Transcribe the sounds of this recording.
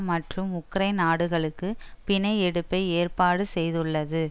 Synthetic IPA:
mɐʈrɯmʊkːɾɐɪnaːɽɯɣɐɭɯkːɯpɪɳɐɪɛɽɯpːɐɪeːrpaːɽɯsɛjðɯɭːɐðɯ

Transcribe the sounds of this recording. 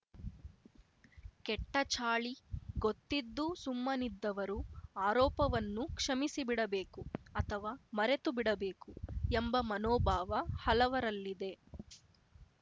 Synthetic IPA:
kɛʈːɐt͡ʃaːɭiɡot̪ːid̪ːusumːɐnid̪ːɐʋɐɾuaːɾɔːpɐʋɐnːukʂɐmisibiɽɐbe̞ːkuɐt̪ʰɐʋaːmɐɾe̞t̪ubiɽɐbeːkuembɐmɐnɔːbʱaːʋɐhɐlɐʋɐɾɐlːid̪e̞

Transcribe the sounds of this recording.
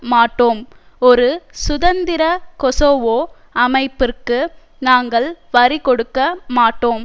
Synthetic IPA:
maːʈːoːm | ɔɾɯsʊðɐnd̪ɪɾɐkɔsoːʋoː | ɐmɐɪpːɪrkɯ | naːŋɡɐɭʋɐɾikɔɽɯkːɐmaːʈːoːm

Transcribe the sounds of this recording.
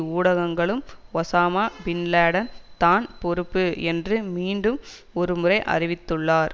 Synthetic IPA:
uːɽɐɣɐŋɡɐɭɯmɔsaːmaːbɪnlaːɽɐnt̪aːnpɔɾɯpːɯɛndrɯmiːɳɖɯm | ɔɾɯmɯrɐɪʔɐ̰rɪʋɪt̪ːɯɭːaːɾ

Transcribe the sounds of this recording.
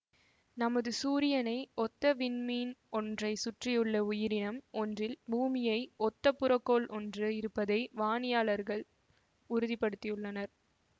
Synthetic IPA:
nɐmɐðɯsuːɾɪjɐnɐɪɔt̪ːɐʋɪnmiːnɔndrɐɪsʊʈrɪjɯɭːɐʊjɪɾɪnɐmɔndrɪlbuːmɪjɐɪɔt̪ːɐpːʊɾɐkːoːlʔɔndrɯɪɾɯpːɐðɐɪʋaːnɪjaːɭɐɾɣɐɭ | ʊɾɯðɪpːɐɽɯt̪ːɪjɯɭːɐnɐɾ

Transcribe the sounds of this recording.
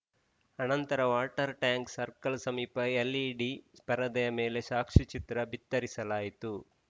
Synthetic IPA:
ɐnɐnt̪ɐɾɐʋaːʈɐɾʈjaːŋksɐɾkɐlsɐmiːpɐelːiɖispɐɾɐd̪ɐjɐmeːle̞ʃaːkʂit͡ʃit̪ɾɐbʱit̪ːɐɾisɐlaːjit̪u

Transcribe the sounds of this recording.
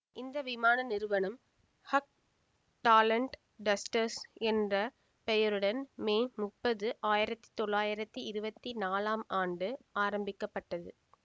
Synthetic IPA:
ʔɪnd̪ɐʋɪmaːnɐnɪɾɯʋɐnɐm | hɐk̚ | ʈaːlɐɳʈ | ɖɐsʈɐɾsɛndrɐ | pɛjɐɾɯɽɐnmeːmʊpːɐðɯʔaːjɪɾɐt̪ːi̥t̪ɔɭːaːjɪɾɐt̪ːiɪɾɯbɐt̪ːinaːlaːmaːɳɖɯaːɾɐmbɪkːɐpːɐʈːɐðɯ

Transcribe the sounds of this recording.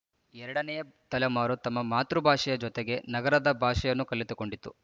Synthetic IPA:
ɛɾɐɽɐnɛjɐt̪ɐlɐmaːɾut̪ɐmːɐmaːt̪ɾubʱaːʂɛjɐd͡ʒɔt̪eɡe̞nɐɡɐɾɐd̪ɐbʱaːʂɛjɐnːukɐlːit̪uko̞ɳɖit̪ːu

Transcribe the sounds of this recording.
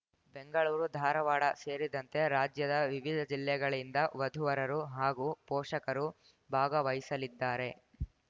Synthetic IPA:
be̞ŋɡɐɭuːɾud̪ʱaːɾɐʋaːɽɐse̞ːɾid̪ɐnt̪e̞ɾaːd͡ʒjɐd̪ɐʋiʋid̪ʱɐd͡ʒilːɛɡɐɭind̪ɐʋɐd̪ʱuʋɐɾɐɾuɦaːɡuːpɔːʂɐkɐɾu | bʱaːɡɐʋɐjisɐlid̪ːaːɾe̞

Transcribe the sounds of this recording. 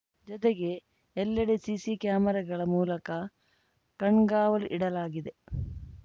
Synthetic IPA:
d͡ʒɔt̪eɡe̞ː | lːɐɽesisikjaːmɐɾɐɡɐɭɐmuːlɐkɐ | kɐɳɡaːʋɐlʔiɽɐlaːɡid̪e̞

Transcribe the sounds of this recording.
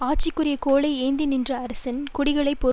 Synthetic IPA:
aːʈ̚t͡ʃɪkːʊɾɪjɐkoːɭɐɪeːnd̪ɪnɪndrɐɐɾɐsɐnkʊɽɪɣɐɭɐɪpːɔɾ

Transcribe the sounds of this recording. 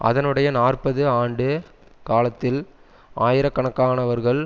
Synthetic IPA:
ɐ̰ðɐnɯɽɐjɐnaːrpɐðɯaːɳɖɯ | kaːlɐt̪ːɪl | aːjɪɾɐkːɐɳɐkːaːnɐʋɐɾɣɐɭ

